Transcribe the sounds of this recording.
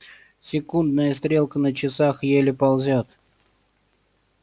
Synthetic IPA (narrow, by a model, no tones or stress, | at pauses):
sʲɪkund̪nəjəst̪ɾʲelˠkənət͡ɕɪsaxjelʲɪpɐlˠzʲot̪